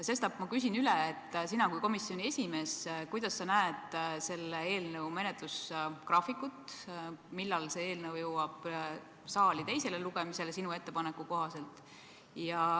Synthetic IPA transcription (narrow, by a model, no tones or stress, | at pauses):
se̞st̪ɑb̥mɑkys̬inyleːt̪ˑːsinɑkujko̞misːjo̞nʲie̞sʲime̞ːskujd̪̥ɑsːɑnæet̪se̞lːee̞ːlnəwme̞net̪luskrɑfikːˑut̪milːɑlse̞eːlnɤwjɤwɑb̥ | sɑːlit̪e̞jse̞leluɡ̥e̞mise̞lsinue̞t̪ːe̞pɑnekːuko̞ɦɑse̞lt̪ˑ | jɑ